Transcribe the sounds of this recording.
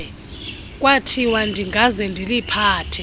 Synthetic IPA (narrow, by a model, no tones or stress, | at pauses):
k̬ʼwatʰiwandʱiŋɡʱazɛndʱilipʰaːtʰɛ